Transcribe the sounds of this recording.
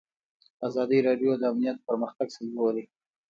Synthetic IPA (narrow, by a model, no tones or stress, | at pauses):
azɑd̪iɾɑɖjod̪əamnijat̪̚pəɾməxt̪aɡsalawəli